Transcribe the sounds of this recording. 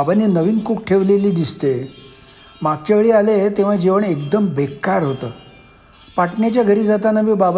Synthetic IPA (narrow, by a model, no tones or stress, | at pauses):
abanenəʋiːnkukʈʰeʋleliːd̪ist̪e | maɡ̚t͡ɕeʋeɭiːalet̪eʋ̤ad͡ʑeʋəɳek̚d̪əmbʱekkːaɾɦot̪əː | paʈnat͡ɕjaɡʱəɾiːd͡zat̪anəmibab